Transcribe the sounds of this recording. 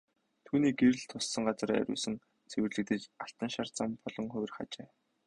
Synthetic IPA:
t̪ʰuːniːɡeɾɘ̆ɮt̪ʰʊsːə̆ŋɢat͡sə̆r̰ːɾʲʊ̰ːsɘ̆ŋ | t͡sʰewɘ̆rɮɘ̆k̚t̪ɘ̆t͡ɕaɬt̪ə̆nʃart͡sampɔɮɞ̆ŋχʊj̆rχa̰t͡ɕeː

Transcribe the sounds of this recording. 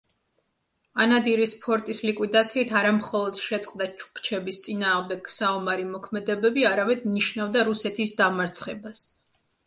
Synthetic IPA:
anad̪iɾispʰɔɾt̪ʼislikʼwid̪at̪sʰiːt̪ʰaɾamχɔlˠɔd̪̥ʃɛt̪sʼqʼd̪at͡ʃʰu̥kʰt͡ʃʰɛbist̪sʼinaːʁmd̪ɛksaumaɾimɔkʰmɛd̪ɛbɛbiaɾamɛd̪niʃnavd̪aɾusɛt̪ʰisd̪amaɾt̪sʰχɛbas

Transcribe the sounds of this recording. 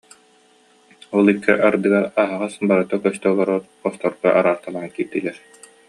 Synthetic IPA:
ɔlˠikːɛʔaɾd̪ɯɡaɾaɦaʁasbaɾat̪akœst̪œɡɔɾɔɾqɔst̪ɔɾɡaʔaɾaːɾt̪alˠaːnkiːɾt̪ilɛɾ

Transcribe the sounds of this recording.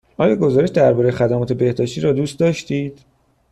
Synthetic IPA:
ʔɒːjɒːɡo̞zɒːɾe̞ʃd̪æɾbɒːɾejexæd̪æmɒːt̪ʰe̞be̞hd̪ɒːʃt̪iːɾɒːd̪uːst̪̚d̪ɒʃt̪iːd̪̥

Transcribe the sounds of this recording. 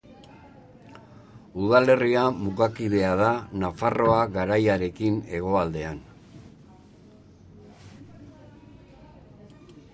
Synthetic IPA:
uðale̞riamuɣakið̞e̞að̞anafaro̞aɣaɾajaɾe̞kine̞ɣ̞o̞ald̪e̞an

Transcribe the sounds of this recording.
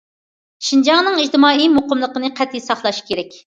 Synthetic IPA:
ʃind͡ʒɑŋnɨŋid͡ʒt̪ɨmɑːimoqʊmlˠəqənɨqʰæt̪ːisɑχlˠɑʃkʲʰeɾɛkʲ

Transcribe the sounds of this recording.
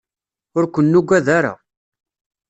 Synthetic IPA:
ʊɾkʷənːuɡʷæðaɾa̰

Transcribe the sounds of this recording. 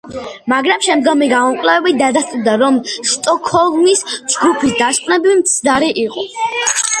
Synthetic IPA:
maɡɾamʃɛmd̪ɡɔmiɡamɔmkʼlɛvɛbit̪̚d̪ad̪ast̪ʼud̪aɾɔmʃt̪ʼɔkʰɔlˠmisd͡ʒɡɾupʰisd̪askʼvnɛbiimt̪sʰd̪aɾiʔiqʼɔ

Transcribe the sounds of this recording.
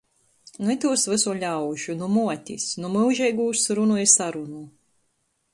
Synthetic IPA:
nuɛt̪uɔsvɨsuɔlʲawʒunumuɔt̪ʲḭsnumɨwʒɛjɡuːsɾunuɛsaɾunu

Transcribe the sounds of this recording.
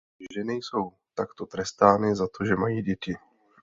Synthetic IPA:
ʒʒɛnɛjso̞w | t̪akt̪o̞t̪ɾɛst̪aːnɪzat̪o̞ʒɛmajiːɟɛcɪ

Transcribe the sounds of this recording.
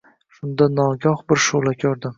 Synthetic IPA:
ʃʊnd̪anɒɡʲɒhbɪɾʃolˠakʲʰɒɾd̪ɪm

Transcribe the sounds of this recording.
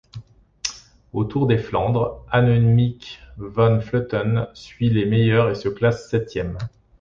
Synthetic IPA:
ot̪uʁd̪eflɑ̃d̪ʁanɔnimikvanfløt̪ɔnsɥilemejœʁesəklasːɛt̪jɛm

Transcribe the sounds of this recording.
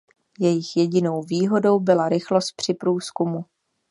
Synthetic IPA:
jɛjɪxjɛɟɪno̞wviːɦo̞do̞wbɪlaɾɪxlo̞st̪̚pr̝̥ɪpɾuːskumu

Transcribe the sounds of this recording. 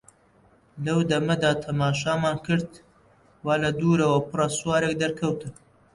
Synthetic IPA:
lɐwd̪ɐmɐd̪aːt̪ʰɐmaːʃaːmaːnkɨɾd̪ | waːlɐd̪uːɾɐwɐpɨrɑsuwaːɾek̚d̪ɐɾkʰɐwt̪ɨ

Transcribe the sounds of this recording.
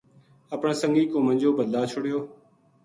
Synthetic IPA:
əpɳsəŋɡiːkõːmə̃ɲd͡ʒoːbəd̪laːt͡ʃʰʊɽɪjoː

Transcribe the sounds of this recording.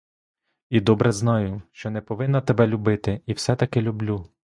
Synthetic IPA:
id̪ɔbɾʔɛznɑjʊʃt͡ʃɔnɛpɔʋɪnːɐt̪ɛbɛlʲʊbɪt̪ɪiwsɛt̪ɐkɛlʲublʲu

